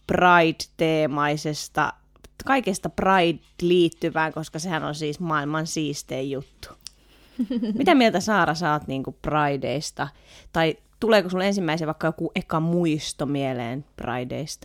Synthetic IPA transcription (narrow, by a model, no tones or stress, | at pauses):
prɑid̥t̪eːmɑisest̪ɑ̰ | kɑikest̪ɑprɑid | liːt̪ːyʋæːŋkoskɑsehænonsiːsmɑːilmɑnsiːst̪eːjjut̪ːu̥ | mit̪æmielt̪æsɑːrɑsɑːt̪niːŋkuprɑidḛist̪ɑ | t̪ɑi | t̪uleːkosulensimːæiseʋɑikːɑjokuʔekɑmuist̪omielḛːnprɑ̰idḛist̪ɑ̥